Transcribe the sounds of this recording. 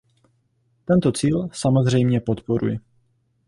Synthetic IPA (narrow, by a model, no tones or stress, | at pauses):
t̪ɛnt̪o̞t͡siːlsamo̞zr̝ɛjmɲɛpo̞t̪po̞ɾṵjɪ